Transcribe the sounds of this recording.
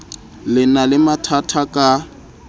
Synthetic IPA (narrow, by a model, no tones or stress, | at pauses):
lɪnalɪmatʰatʰakʼa